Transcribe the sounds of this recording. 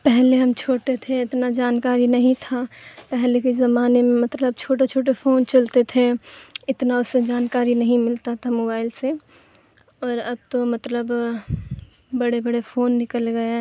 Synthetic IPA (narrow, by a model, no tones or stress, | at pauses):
pɛɦleɦɐmt͡ʃʰoːʈet̪ʰeɪt̪nad͡ʒaːnkaːɾinɐɦĩt̪ʰapɛɦlekezɐmaːnemẽmɐt̪ləb̚t͡ʃʰoːʈ̬at͡ʃʰoːʈ̬efoːnt͡ʃɐlt̪et̪ʰeɪt̪naʊsed͡ʒaːnkaːɾinɐɦĩmɪlt̪at̪ʰamoːbaːɪlse | ɔːɾɐb̚t̪omɐt̪ləb | bɐɽebɐɽefoːnːɪkəlɡɐe